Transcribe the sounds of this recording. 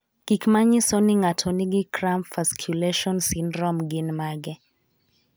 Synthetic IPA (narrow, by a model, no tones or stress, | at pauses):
kikmaɲisɔniŋatʰɔniɡikɾampfaskʰjulɛʃɔnsindɾɔmɡinmaɡɛ